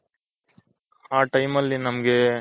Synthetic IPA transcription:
aːʈɐjmɐlːinɐmɐɡe

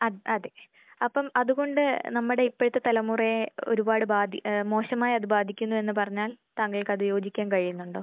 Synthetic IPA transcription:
ɐʔɐðe̞ | ɐpːɐmɐðuɣo̞ɳɖɨnɐmːuɽe̞ipːo̞ɻut̪ːet̪ɐlɐmuːreo̰ɾubaːɽɨbaːd̪ʱimo̞ːɕɐmaːjɐðɨbaːd̪ʱikʲːunːue̞nːɨpɐrɐɲːaːlt̪aːŋːɐɭkɐðɨjo̞ːd͡ʑikʲːaːnkɐɻijunːuɳɖo̞ː

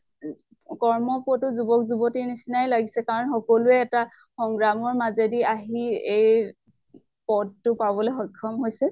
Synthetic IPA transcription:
kɔɹmɔpɔtʊzubɔkzubɔtinisinajlaɡisɛkaɹɔnxɔkɔluɛːta | xɔŋɡɹamɔɹmazediaɦiej | pɔdtʊpabɔleɦɔjkʰːɔmɦojsɛ

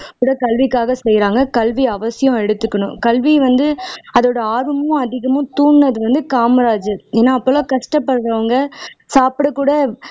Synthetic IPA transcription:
kuːɽɐkɐlʋɪkːaːɣɐsɛjɾaːŋɡɐkɐlʋiɐʋɐsɪjõɛɽɯt̪ːɯkːɐɳʊ̃kɐlʋiʋɐnd̪ɯɐðoːɽɐaːɾɯmʊ̃ɐðɪɣɐmʊ̃t̪uːɳːɐðɯʋɐnd̪ɯkaːmɐɾaːd͡ʒɯeːnːaːɐpːɐlõkɐʂʈɐpːɐɽɾɐʋɐŋɡɐsaːpɪɽɐkːuːɽɐ

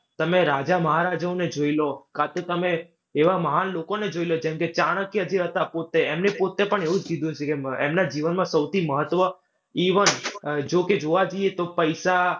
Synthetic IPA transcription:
t̪əmeɾad͡ʒaməɦaɾad͡ʒəoned͡ʒoilokat̪et̪əmeː | ʋaməɦanlokoned͡ʒoilod͡ʒɛmket͡ʃaɽ̃əkjəd͡ʒiɾɦət̪apot̪eemnepot̪epəɳeũd͡ʒɡid̪ũt͡ʃʰekeemnad͡ʒiʋənmãsəwt̪ʰiməɦət̪ʋə | iʋənd͡ʒoked͡ʒoʋad͡ʒoiet̪opəjʃa

